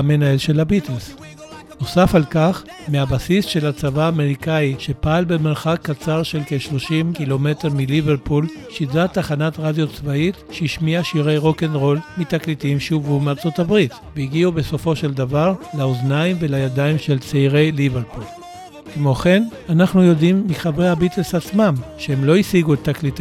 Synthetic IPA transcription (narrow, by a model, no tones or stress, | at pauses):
menaelʃe̞labitels | nosafalkaχmeabasisʃe̞lat͡savaːmeʁikaiʃe̞paalbemeʁχakːat͡saʁʃe̞lkeʃlo̞ʃimkilo̞me̞teʁmiliveʁpul | ʃidʁat̪aχanatʁadjot͡svaitʃeiʃmiaʃiʁejʁo̞kenʁo̞lmitaklitimʃuvumeaʁt͡so̞tabʁit | veiɡiube̞so̞fo̞ʃe̞ldavaʁlaoznaimve̞lajadaimʃe̞lt͡seiʁe̞jliveʁpul | kmo̞χe̞nanaχnujo̞dimːiχabʁejhabitelsat͡smamʃeemlo̞isiɡuet̪ːaklit